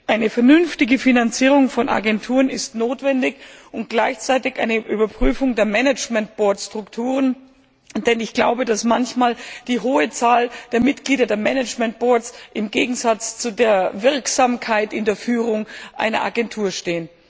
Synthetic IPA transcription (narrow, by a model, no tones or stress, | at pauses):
ʔaɪnəfɛɐnʏnftɪɡəfinant͡siːʁʊŋfɔnʔa̰ɡɛntʰuːʁənɪstnoːtv̥ɛndɪçʊnt̚ɡ̥laɪçt͡saɪtɪçʔa̰ɪnəʔyːbɐpʁ̥yːfʊŋdeːɐmɛnɛt͡ʃmɛnt̚b̥ɔɐtstʁ̥ʊktʰuːʁ̞ən | d̥ɛnɪçɡ̥la̰ʊbədasmançmaːld̥iːɦoːət͡saːld̥eːɐmɪtɡ̥liːdɐdeːɐmɛnɛt͡ʃmɛnt̚b̥ɔɐt͡sʔɪmɡeːɡŋ̩zat͡st͡sudeːɐvɪɐksaːmkʰaɪtɪndeːɐfyːʁ̞ʊŋʔa̰ɪnɐ̰ʔa̰ɡɛntʰuːɐʃteːən